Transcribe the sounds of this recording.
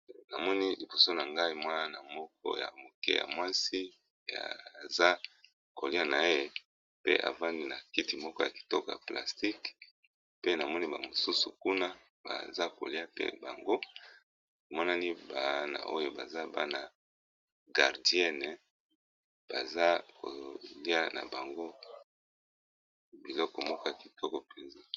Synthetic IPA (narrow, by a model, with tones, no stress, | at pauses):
na˨mɔ˦ni˦li˨bo˨so˦na˨ŋɡa˦i˦mwa˦na˦na˨mɔ˦k̚ɔ̰˦ja̰˨mo˨kɛ̰˦ja̰˨mwa˦si˦ | e˨a̰˨za˦ | ko˨li˦a˦na˨e˦e˦˨ | pḛ˦ʔa̰˨va˦ndi˦na˨ki˦ti˨mɔ˦kɔ˦ja˨ki̥˨tɔ˦kɔ˨ja̰˨plʔa̰˨sti˦k | pe˦na˨mɔ˦ni˦ba̰˨mo˨su˦su˨ku˦na˦ | ba̰˨za˦ko̰˨li˦a˦pḛ˦ba˨ŋɡo˦ | o˨mɔ˦na˦ni˦ba˨˦na̰˨ʔo˦jo˦ba̰˨za˦ba˦na˨ | ɡa˨ʁdi˦ɛ˦nɛ˨ | b̥a̰˨za˦ko̰˨li˦a˦na̰˨ba˨ŋɡo˦ | bi˨lɔ˦kɔ˨mɔ˦kɔ˦ja˨ki˨tɔ˦kɔ˨pɛ˨nza˦